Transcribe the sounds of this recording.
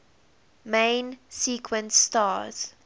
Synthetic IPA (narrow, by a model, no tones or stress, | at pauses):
mẽnsiːkʰwə̃ntːtaːz̥